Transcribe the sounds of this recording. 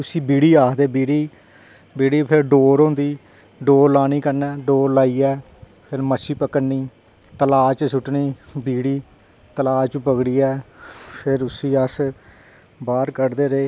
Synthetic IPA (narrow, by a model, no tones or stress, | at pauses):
ʊsiːbiːɽiːaːkd̪eːbiːɽiː | biːɽiːpʰɪɾɖoːɾɦõnd̪iː | ɖoːɾlaːniːkəɾnɛːɖoːɾlaːiːɛː | pʰɪɾməsiːpəkəniː | t̪əlaːt͡ʃsʊʈniːbiːɽiː | t̪əlaːt͡ʃpəɡɽiːɛːpʰɪɾʊsĩːəs | baːɾkəɾd̪eːɾeː